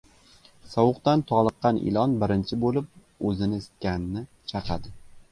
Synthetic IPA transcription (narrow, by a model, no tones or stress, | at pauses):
sɒwʊqt̪ant̪ʰɒlˠɨqːɑnʔɪ̰lˠɒnbɪɾɪnt͡ʃʰɪbolɪp̚ | ɵzɪnɪest̪̚kʲanɪnɪ | t͡ʃʰɑqʰɑd̪ɪ